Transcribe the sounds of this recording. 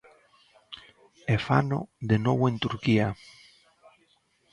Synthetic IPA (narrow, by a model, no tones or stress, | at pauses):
efano̰ðenoβoent̪uɾkia